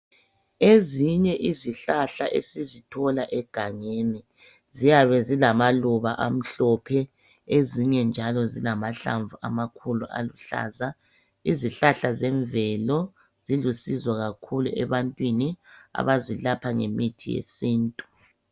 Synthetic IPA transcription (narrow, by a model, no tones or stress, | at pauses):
eziɲɛʔiziɬaɬaʔḛsizitʰɔlaʔɛɡ̥ʱaŋeːni | zijaβɛzilamaluβaʔam̩ɬɔpʰɛ | eziɲɛnd͡ʒʱalɔzilamaɬa̰ɱvua̰makʰuluʔa̰luɬa̰ːza | iziɬaɬazɛɱvɛlɔ | zilusizwaɣakʰulṵɛ̰βantʼwinia̰βazilapʰaŋḛmitʰijḛsiːntʼu̥